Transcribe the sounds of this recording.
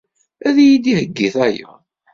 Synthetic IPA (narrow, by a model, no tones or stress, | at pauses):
æðjid̪ihəɡːiθæja̰